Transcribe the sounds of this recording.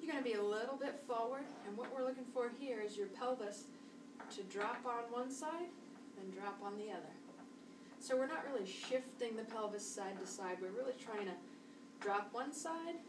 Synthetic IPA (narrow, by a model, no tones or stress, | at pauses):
jə˞ɡʌñɨbiɨlɪɾl̩ˠbɪtfɔɹwə˞ɾɨ̃nwʌʔwɪɹlʊkɪ̃ŋfɔɹd̚hiɹɨzjə˞pʰɛlˠvɨs | tʰɨdɹɑpn̩wʌ̃nsaɪd | ɨ̃ndɹɑpn̩ðiʌðə˞ | soʊwɨɹnəʔ̚ɹɪlˠiʃɪftɪ̃ŋðɨpʰɛlˠvɨsaɪd̚ɨsaɪd̚wɪɹɹɪlˠitʰɹ̥aɪɪ̃ŋtʰɨ | dɹɑpwʌ̃nsaɪd̥